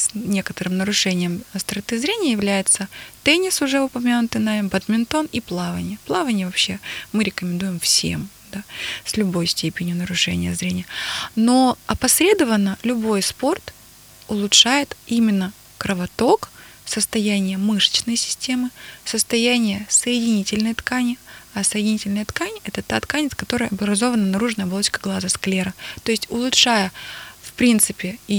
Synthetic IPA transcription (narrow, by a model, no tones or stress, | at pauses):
snʲe̞kət̪əɾɨmnəɾʊʂɛnʲɪjəmst̪ɾɐt̪ɨzɾʲenʲɪjəjɪvlʲæjɪt̪sət̪ɛnʲɪsʊʐɛʊpɐmʲanʊt̪ɨnaɪmpəd̪mʲɪnt̪o̞niplˠavənʲɪjəplˠavənʲɪjəvɐpɕːemɨɾʲɪkəmʲɪnd̪ujɪmfsʲḛm | d̪̥asʲlʲʊbo̞jsʲtʲepʲɪnʲjʊnəɾʊʂɛ̰nʲɪ̰jəzɾʲenʲɪjənoɐpɐsʲɾʲe̞d̪əvənːəlʲʊbo̞jspo̞rt̪ | ʊlˠʊtʂajɪt̪imʲɪnːə | kɾəvɐt̪o̞ksəst̪ɐjænʲɪjəmɨʂə̥t͡ɕnəjsʲɪ̥sʲtʲe̞mɨsəst̪ɐjænʲɪjəsəjɪdʲɪnʲitʲɪlʲnəjət̪kanʲɪɐsəjɪdʲɪnʲitʲɪlʲnəjət̪kanʲɛt̪ət̪at̪kanʲɪt̪skɐt̪o̞ɾəjɐblˠɾɐzo̞vənənɐɾuʐnəjəblˠot͡ɕkəɡlˠazəsklʲeɾət̪o̞jɪsʲtʲʊlˠʊtʂajəfpɾʲint̪sɨpʲɪi